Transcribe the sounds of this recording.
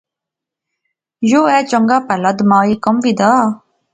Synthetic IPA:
joːɛːt͡ʃəŋɡaːpɛlɐd̪maːikəmʋid̪aː

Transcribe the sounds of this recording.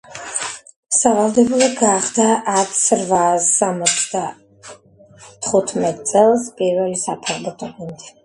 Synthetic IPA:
savalˠd̪ɛbulˠɔɡaχd̪aʔːt̪ʰsɾvasamɔt̪sʰd̪a | t̪ʰχut̪ʰmɛt̪ʼt̪sʼɛlˠspʼiɾvɛlisapʰaɾbɔt̪ʼɔmɛnd̪ʰɛ

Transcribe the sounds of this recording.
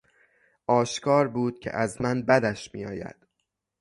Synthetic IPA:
ʔɒːʃkʰɒːɾbuːd̪̥̚cʰḛʔæzmænbæd̪æʃmḭjɒːjæ̰d̪̥

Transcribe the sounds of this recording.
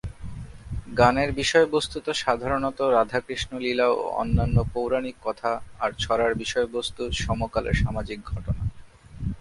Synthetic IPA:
ɡaneɾbiʃɔebost̪ut̪oʃad̪ʱaɾonɔt̪oɾad̪ʱakɾiʃnolilao̰ɔ̰nːanːopowɾanikːɔt̪ʰaːɾt͡ɕʰɔɾaɾbiʃɔebost̪uʃɔmokalḛɾʃamad͡ʑik̚ɡʱɔʈona̰

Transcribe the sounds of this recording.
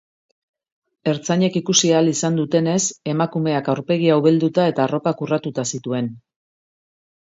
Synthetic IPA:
e̞ɾt͡saɲe̞kikusialisand̪ut̪e̞ne̞se̞makume̞akawɾpe̞ɣ̞iawβeld̪ut̪ae̞t̪aːro̞pakurat̪ut̪asit̪ue̞n

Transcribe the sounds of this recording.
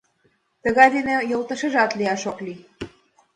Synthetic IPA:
t̪ə̆ɣɑjd̪enĕjolˠt̪ə̆ʃə̆ʒɑt̪liɑʃokli

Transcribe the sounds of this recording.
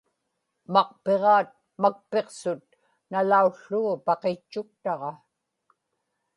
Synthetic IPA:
mɑqpe̞ʁɑːt̪̚ | mak̚pe̞qsʊt̪̚ | nalauɬːuɣpɑqet͡ʃːʊk̚t̪ɑʁɑ

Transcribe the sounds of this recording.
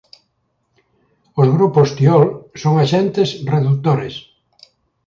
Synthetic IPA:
ozɣɾupost̪iɔlsoŋaʃɛnt̪esreðut̪oɾes

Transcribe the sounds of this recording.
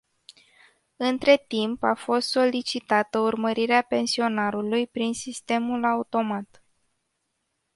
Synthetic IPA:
ɨnt̪ɾe̞t̪impafo̞st̪so̞lit͡ʃit̪at̪əurməɾiɾeape̞nsio̞naɾulujpɾinsist̪e̞mulaut̪o̞mat̪

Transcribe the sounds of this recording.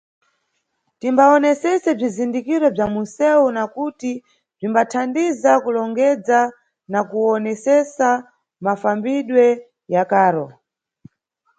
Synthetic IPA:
timbaɔnɛsɛsɛb͡ʐizindikiɾɔb͡ʐamusɛunakuti | b͡ʐimbatʰandizakulɔŋɡɛd͡za | nakuɔnɛsɛsa | mafambiɗwɛ | jakaːɾɔ

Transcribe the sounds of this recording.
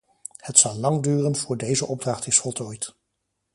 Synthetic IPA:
hətsɑlˠlɑŋdyːrənv̥ʊːɹdejzəʔɔb̚drɑχtɪsfɔlˠtɔːjt

